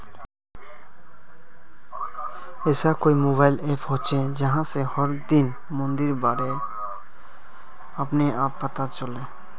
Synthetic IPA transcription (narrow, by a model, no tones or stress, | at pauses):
esakoimobaːɪlepɦõt͡ʃʰẽd͡ʒəɦãsehɔɾd̪in | mə̃nd̪iɾbaːɾe | əpneaːpːət̪at͡ʃɔle